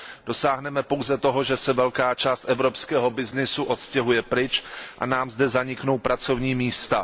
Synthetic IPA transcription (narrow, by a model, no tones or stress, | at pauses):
d̥o̞saːɦnɛmɛpowzɛt̪o̞ɦo̞ʒɛsɛvɛlkaːt͡ʃaːst̪ʔɛvɾo̞pskɛːɦo̞bɪznɪsuʔo̞t̪scɛɦujɛpɾɪt͡ʃʔa̰naːmzdɛzaɲɪkno̞wpɾat͡so̞vɲiːmiːst̪a